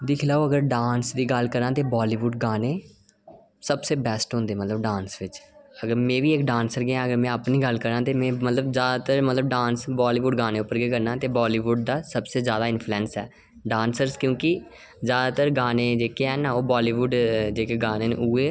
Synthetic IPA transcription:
d̪ɪkʰlaːoːəɡəɾɖaːnsd̪iːɡəlkəɾãːt̪eːbaːliːʋuːɖɡaːneː | səbseːbɛːsʈɦõnd̪eːmət̪ləbɖãːnsʋɪt͡ʃəɡəɾmɛ̃ːʋiːeːkɖãːnsəɾɡeãːəɡəɾmɛ̃ːapniːɡəlkəɾãːt̪eːmɛ̃ːmət̪ləbzjaːd̪aːt̪əɾmət̪ləb̚ɖãːnsbaːliːʋuɖɡaːneːʊpːəɾɡeːkəɾnãːt̪eːbaːliːʋʊɖ̚d̪aːsəbseːzjaːd̪aːɪnpʰluɛ̃ːnsɛː | ɖãːnsəɾskjõːkɪ | zjaːd̪aːt̪əɾɡaːneːd͡ʒeːkeɛːnaːoːbaːliːʋuːɖd͡ʒeːkeːɡaːneːn̰uːeː

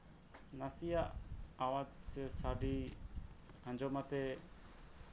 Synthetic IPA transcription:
nasijaʔawad͡ʒsɛsaɖi | ãɲd͡ʒɔmat̪ɛ

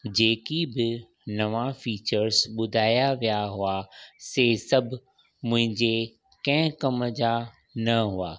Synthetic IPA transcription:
d͡ʑeːkibɪ | nɐʋafiːt͡ɕəɾzɓʊd̪ʱaːjaʋijaɦʊaseːsɐbʱʊ | mʊ̃ɦɪ̃ɲd͡ʑe | kɐ̃ɦɪ̃kɐmd͡ʑa | nɐɦuaː

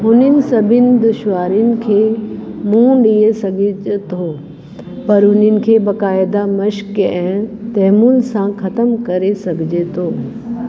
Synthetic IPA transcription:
ɦʊnənɪ̆sɐbʱɪnɪ̆d̪ʊʃʋaːɾiʊnɪ̆kʰeːmũɗiesɐɡʱɪt̪ʰoː | pɐɾʊnənɪ̆kʰeːbɐkaːɪd̪amɐʃkɛ̃ːt̪ɛɦmʊnɪ̆sãxɐt̪əmkɐɾesɐɡʱɪd͡ʑet̪ʰoː

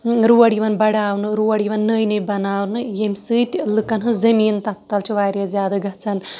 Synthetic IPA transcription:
ɾuɐɽiʋɐnbɐɽaːwnɨɾuwɐɽiʋɐnːəjnɐjbɐnaːwnɨjemsɨt̪ʲlɨkɐnɦɨzɐmiːnt̪ɐt̪ːɐlt͡ʃʰuʋaːɾʲjɐzjaːd̪ɐɡɐt͡sʰɐn

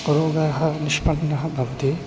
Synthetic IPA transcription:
uɾoːɡɐɦɐ̆niʃpɐɳːɐɦɐ̆bʱɐʋɐt̪i

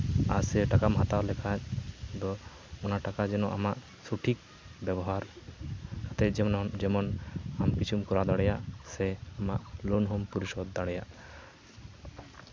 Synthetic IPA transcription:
aɾsɛʈakamɦat̪awlɛkʰat͡ʃd̪ɔ | ɔnaʈakad͡ʒɛnɔʔamaʔ | suʈʰik̚ | bɛbɔɦaɾ | kat̪ɛd͡ʒd͡ʒɛmɔnamkit͡ʃʰumkɔɾad̪aɽɛjaʔsɛamaʔlonɦɔmpuɾisɔd̪ːaɽɛjaʔ

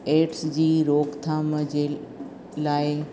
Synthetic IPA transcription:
eːʈsd͡ʑiːɾoːkt̪ʰaːməd͡ʑe | laːɪ

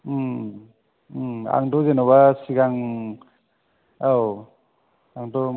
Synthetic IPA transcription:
a̰ŋdɔzenɔwasiɡaŋ | aw | aŋdɔ

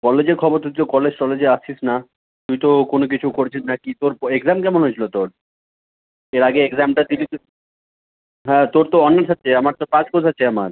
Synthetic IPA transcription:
kɔled͡ʑeɾkʰɔboɾt̪ujt̪okɔled͡ʑkɔled͡ʑeaisna | t̪ujt̪okonok̬it͡ɕʰukoɾet͡ɕʰisnakit̪oɾeɡzamkɛmõnɦojt͡ɕʰilot̪oɾ | eɾaɡeeɡzamʈad̪ili | ɦɛ̃ːt̪oɾt̪oɔnːaɾʃʰat̪ːeamaɾt̪opaskod͡ʑaːt͡ɕʰeamaɾ

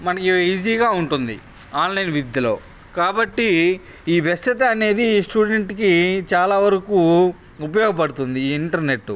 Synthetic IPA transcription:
mɐnɐkiiːd͡ʒiːɡaːuɳʈund̪ḭ | aːnlɐjnʋid̪jɐlo̞̰ː | kaːbɐʈːi | iːʋɛsɐt̪ɐɐne̞ːd̪isʈuːɖe̞ɳʈkit͡ʃaːlaːʋɐɾɐkuː | up̬ɐjɔːɡɐpɐɽut̪und̪iːɳʈɐɾne̞ʈːu

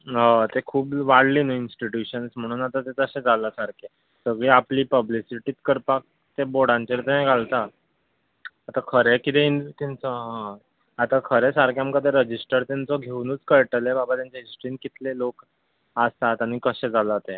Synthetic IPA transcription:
ɦat̪ekʰuːpʋaɽliːnainsʈiʈjuɕənsm̤əɽ̃uːnat̪at̪et̪əɕẽd͡zʱalasaɾkʰe | səɡɭeapliːpəblisiʈiːt̪kəɾpak̚ | t̪eboɽãɲt͡ɕeɾt̪enẽɡʱalt̪a | t̪akʰəɾekit̪eint̪int͡sɔɦã | at̪akʰəɾesaɾkʰeamkəd̪eɾəd͡ʑisʈəɾt̪ant͡sɔɡʱeunuːt͡skəɾʈlebabat̪jaɲt͡ɕeɦisʈɾinkit̪ʰlelok | ast̪at̪añikəɕẽd͡zʱalat̪e

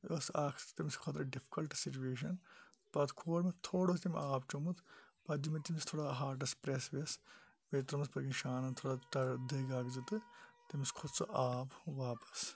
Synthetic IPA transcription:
oːsaːkʰt̪t̪imiskʰɐt̪ɾɐɖipʰi̥kɐlʈsit͡ʃueːʃ̬ɐn | pɐt̪kʰoːɽmet̪ʰoːɽost̪imʲaːbt͡ʃumut̪ʰpɐd͡ʒimet̪imist̪ʰoːɽaːɦaːɾʈɐspɾesʋes | bet̪ɾɐmispɐɾɡinʃaːnɐnt̪ʰoːɽaʈɐɾd̪eɡaːkzit̪ɨt̪imiskʰud̪t͡sɐ̰ʔaːbʋaːpɐ̥s

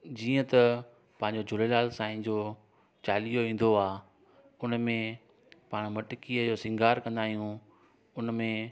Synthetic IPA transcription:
d͡ʑiːə̃t̪ɐ | pɐ̃ɦɪ̃ɲd͡ʑod͡ʑʱʊlelaːlsãːĩd͡ʑoː | t͡ɕaːlijoʋĩːn̆d̪oaː | ʊnmẽ | paːɽ̃mɐʈkijəd͡ʑoːsɪ̃ŋɡʱaːɾkɐ̃nd̪aːɦijũ | ʊnmẽ

